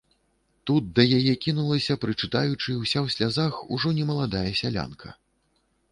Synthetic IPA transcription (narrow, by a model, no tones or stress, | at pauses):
t̪ut̪̚d̪ɐjajɛkʲinulˠɐsʲɐpɾɨt͡ʂɨt̪ajut͡ʂɨwsʲawsʲlʲazaxuʐɔnʲɛmɐlˠad̪ajɐsʲalʲa̰nkʰɐ